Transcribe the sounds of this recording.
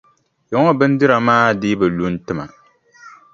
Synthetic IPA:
jɛ˨ŋɔ˦bɨ˦n˦dɨ˦ɾa˨maː˦dɪː˦bɨ˨lu˦n˦tɨ˦ma˨

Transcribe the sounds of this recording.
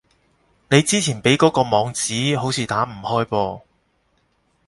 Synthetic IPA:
ne˨˧jt͡siː˥t͡sʰiː˨˩npe˨˥jkɔː˨˥kɔː˧mɔː˨˧ŋt͡siː˨˥ɦo˨˥wt͡sʰiː˨˧t̪aː˨˥m̩˨˩hɔː˥jpɔː˧

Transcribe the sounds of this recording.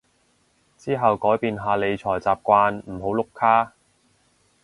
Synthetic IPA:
t͡siː˥ɦɐ˨wkɔː˨˥jpiː˨nɦaː˧le˨˧jt͡ʃʰɔː˨˩jt͡saː˨p̚kʷaː˧nm̩˨˩ɦo˨˥wlʊ˨kʰːaː˥

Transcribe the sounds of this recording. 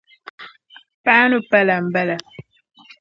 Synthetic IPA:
pa˦nu˦pɛ˦la˨m̩˨bɛ˦lɛ˨

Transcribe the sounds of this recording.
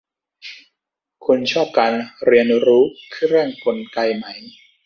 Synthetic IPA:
kʰu˧nt͡ɕʰɔː˥˩p̚kaː˧nɾi˧ənɾuː˦˥kʰːɾɯ˥˩əŋko˧nka˧jma˦˥j

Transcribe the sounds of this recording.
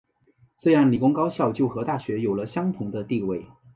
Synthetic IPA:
ʈ͡ʂɤ˥˧jɑ˥˩ŋli˨˩kʊ˥ŋkɑ˥ʊɕjɑ˥˧ʊt͡ɕjo˥˩ʊxɤ˧˥t̪a˥˩ɕɥɛ˧˥jo˨˩ʊlə˦ɕjɑ˥ŋt̪ʰʊ˧˥ŋd̪ə˧t̪i˥˧we˥˩ɪ

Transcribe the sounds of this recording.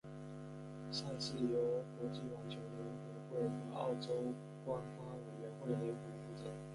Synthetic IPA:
ɕa˥˧t͡ɕi˥˩jo˧˥ʊkwɔ˧˥t͡ɕi˥˩wa˥nt͡ɕʰjo˧˥ʊlɛ˧˥nkɔ˧˥xwe˥˩ɪxɤ˧˥˦ɑ̰˥˩ʊʈ͡ʂo˥ʊ | kwa˥nfa˥we˨˩ɪɥɛ˧˥nxwe˥˩ɪle˧˥˩pu˨˩fu˥˩ʈ͡ʂə̰˨˩˦

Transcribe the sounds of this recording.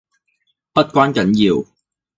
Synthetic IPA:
pɐ˥t̚kʷaː˥nkɐ˨˥njiː˨˧w

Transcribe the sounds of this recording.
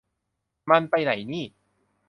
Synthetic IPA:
ma˧npa˧jna˩˦jniː˥˩

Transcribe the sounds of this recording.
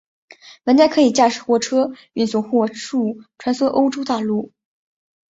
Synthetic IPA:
wə˧˥nt̪a˥kʰɤ˧˥i˨˩t͡ɕja˥˩ʂɻ̩˥˩xwɔ˥˩ʈ͡ʂʰɤ˥ | y˥˩nsʊ˥˩ŋxwɔ˥˧ʂu˥˩ʈ͡ʂʰwa˧˥nswɔ˥ʔo˥ʊʈ͡ʂo˥ʊt̪a˥˧lu˥˩

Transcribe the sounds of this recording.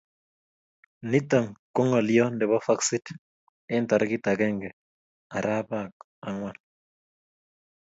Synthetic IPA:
ni˦ta˨ŋko˦ŋɔ˨ljɔ˦ndɛ˨βɔ˦fa˦ksi˦t | ɪ˦ntɔ˨ɾki˦ta˨ɡɛ˦ŋɡɛ˨ | a˨ɾʔa˦pa˨k̚ | a˨ŋwa˦˨n

